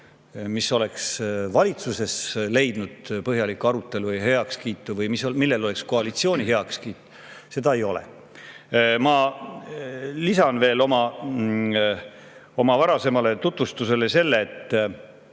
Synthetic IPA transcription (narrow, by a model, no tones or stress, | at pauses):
miso̞le̞ksvɑlʲit̪suse̞sle̞jd̪̥nud̪̥pɤɦjɑlikːuɑɾut̪ːˑe̞lujɦe̞ɑkskiːt̪ːˑuvɤjmisomilːelo̞le̞ksko̞ɑlit̪sio̞ːnʲiɦe̞ɑkskiːt̪ːˑu̥ | se̞d̪̥ɑe̞jo̞lḛ | mɑ | lisɑnve̞ːlo̞mɑ | o̞mɑvɑɾɑse̞mɑle̞t̪ut̪vust̪use̞le̞se̞lːe̞ːt̪ː